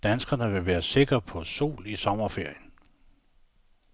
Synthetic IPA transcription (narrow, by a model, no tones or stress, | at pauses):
d̥ænsɡ̥ɐnəʋe̝ʋæːɐse̝ɡ̥ɐpʰɒ̽so̝̰ːlisɒ̽mɐfe̝ɐ̰jən